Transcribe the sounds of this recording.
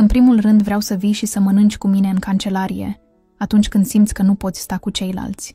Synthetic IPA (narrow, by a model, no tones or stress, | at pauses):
ɨnpɾimulrɨnd̪vɾeawsəvijʃisəmənɨnt͡ʃʲkumine̞ɨŋkant͡ʃe̞laɾije̞̰ | at̪unt͡ʃʲkɨnd̪simt̪sʲkənupo̞t̪sʲst̪akut͡ʃe̞jla̰lt̪sʲ